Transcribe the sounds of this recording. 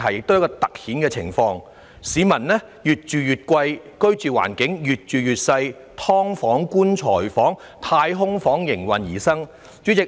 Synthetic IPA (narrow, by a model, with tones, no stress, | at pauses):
ɦɐ˨jɪ˨k̚t̪o˥wjɐ˥kɔ˧t̪ɐ˨k̚hiː˨˥nkɛː˧t͡sʰɪ̰˨˩ŋfɔː˧ŋ | siː˨˥mɐ˨˩nnɛː˥ | jyː˨t̚t͡ʃyː˨jyː˨t̚kʷɐ˧j | kɵ˥ɥt͡ʃyː˨wa̰ː˨˩nkɪ˨˥ŋjyː˨˩t̚t͡ʃyː˨jyː˨t̚sɐ˧j | t̪ʰɔː˥ŋfɔː˨˥ŋkuː˥nt͡ʃʰɔː˨˩jfɔː˨˥ŋ | t̪ʰaː˧jɦʊ˥ŋfɔː˨˥ŋjɪ˨˩ŋwɐ˨˩njḭː˨˩sɐ˥ŋ | t͡ʃyː˨˥t͡sɪ˨k